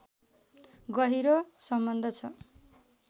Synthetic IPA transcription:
ɡʌɦiɾosʌmbʌnd̪ʱʌt͡sʰʌ

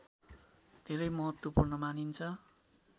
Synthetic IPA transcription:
d̪ʱeɾʌjmʌɦʌt̪wʌpurnʌmanint͡sʰʌ

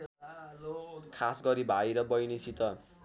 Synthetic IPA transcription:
kʰasɡʌɾibʱajɾʌbʌjnisʰit̪ʌ

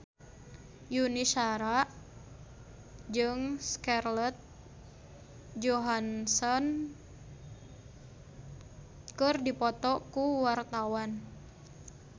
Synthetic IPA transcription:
juniʃaɾaʔ | d͡ʒɨŋskarlɔt̪̚ | d͡ʒɔɦansɔn | kɨrdipɔt̪ɔkuwart̪awan

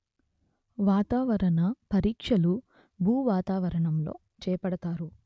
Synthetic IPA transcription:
ʋaːt̪aːʋɐɾɐnɐpɐɾiːkʂɐlu | bʱuːʋaːt̪aːʋɐɾɐɳɐmlo̞̰ː | t͡ʃɛːɐpɐɽɐt̪aːɾu

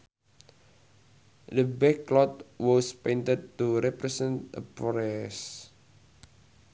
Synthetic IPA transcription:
dəbɛklɔt̪̚wɔspejnt̪əd̪̚tuɾɛpɾɛsɛ̃nt̪ʔə̰pɾɛs

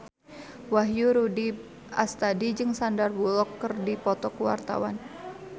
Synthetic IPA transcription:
waɦjuɾudi | a̰st̪adid͡ʒɨŋsandarbulɔkːərdipɔt̪ɔkəwa̰rt̪a̰wan

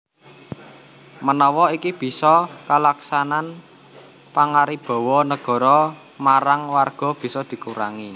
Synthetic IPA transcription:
mənɔwɔikib̥i̤sɔkalaksanan | paŋaɾib̥ɔ̤wɔnəɡ̥ɔ̤ɾɔ | maɾaŋwarɡ̥ɔ̤b̥i̤sɔd̪̥i̤kuɾa̰ŋi

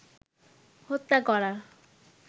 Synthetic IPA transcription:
hot̪ːakɔɾa

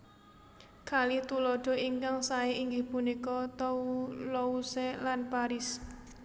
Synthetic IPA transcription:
kalɪht̪ulɔɖ̥ɔ̤iŋkaŋsaeiŋɡɪhpunikɔt̪ɔulɔusɛlanpaɾɪs

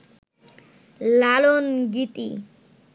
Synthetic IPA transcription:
lalonɡit̪ḭ

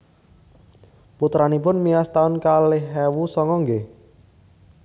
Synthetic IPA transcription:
put̪ɾanipʊnmiast̪aʊnkalɪhɦɛwusɔŋɔŋɡe

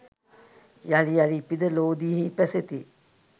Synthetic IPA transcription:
jalijalipid̪əloːd̪iɦipæset̪i

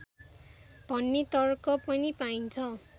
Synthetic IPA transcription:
b̥ʱʌnːet̪ʌrkʌpʌnipaint͡sʰʌ

